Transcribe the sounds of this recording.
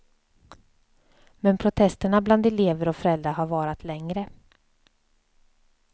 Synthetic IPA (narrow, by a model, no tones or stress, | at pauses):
mɛnpʰɾʊt̪ʰɛst̪əɳabland̪ɛleːvəɾɔfœɾɛld̪ɾaɦaɾvɑːɾat̪ʰlɛŋɾə